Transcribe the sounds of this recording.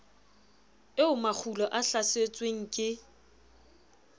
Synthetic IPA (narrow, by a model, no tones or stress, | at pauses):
ɪʊmak͡xʰulɔʔaɬaset͡sʼweŋ̩kʼɪ